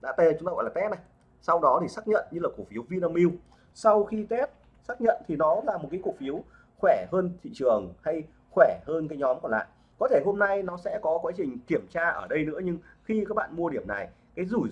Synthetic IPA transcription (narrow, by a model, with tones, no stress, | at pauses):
ɗa̰ː˧˥t̪a˧˨˩ʊ˦ŋ͡m̪aː˧ɣɔ̰˧˨la˨˩t̪ɛ˦˥p̚na˨˩j | sa˧wɗɔ˨˦t̪ʰi˨˩saː˦˥k̚ɲə̰˧˨nɲɨ˧laː˨˩ku˨˩k̚fi˨˦wvi˧naː˧mi˧w | sa˧wxi˧t̪ɛ˦˥p̚ | saː˦˥k̚ɲə̰˧˨nt̪ʰi˨˩nɔ˨˦laː˨˩mo˨˩t̚ka˨˦ku˩k̚fi˨˦əw | xwɛ˧˩həː˧nt̪ʰḭ˧˨t͡ɕɨ˨˩əŋha˧j | xwɛ˧˩həː˧nkaː˨˦jɲɔ˨˦mkɔ˨˩nla̰ː˧˨ | kɔ˨˦t̪ʰe˧˩ɦo˧mna˧jnɔ˨˦sɛ̰˧˥kɔ˨˦kwaː˨˦t͡ɕï˨˩ŋ̟ki˧˩əmt͡ɕaː˧ʔəː˧˩ɗə˧jnɨ̰˧˥əɲɨ˧ŋxi˧kaː˦˥k̚ɓa̰ː˧˨nmu˧ə˧ɗi˧˩əmna˨˩j | kaː˨˦jzu˧˩